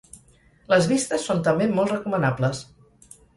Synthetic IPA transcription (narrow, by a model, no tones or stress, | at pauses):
ləzβist̪əsːont̪əmbemolˠt̪rəkumənapləs